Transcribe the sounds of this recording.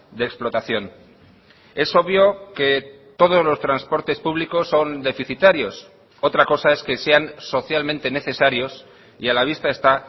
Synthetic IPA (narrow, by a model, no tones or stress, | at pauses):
d̪eːksplo̞t̪aθjo̞n | e̞so̞βjo̞ke̞ | t̪o̞ð̞o̞zlo̞st̪ɾanspo̞ɾt̪e̞spuβliko̞sːo̞nd̪e̞fiθit̪aɾjo̞s | o̞t̪ɾako̞sae̞ske̞se̞anso̞θjalmẽnt̪e̞ne̞θe̞saɾjo̞s | ialaβ̞ist̪ae̞st̪a